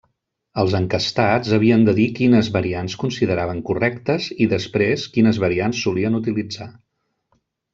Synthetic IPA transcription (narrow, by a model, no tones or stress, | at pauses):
əlˠzəŋkəst̪ad͡zəβ̞iənd̪əðikinəzβəɾianskunsiðəɾaβ̞əŋkurɛkt̪əziðəspɾeskinəzβəɾiansːuliənut̪ilid͡za